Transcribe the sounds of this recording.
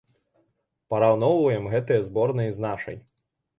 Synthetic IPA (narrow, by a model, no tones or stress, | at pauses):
pɐɾawnɔwvɐjɛmɣɛt̪ɨjɛzbɔrnɨiznaʂɐ̰j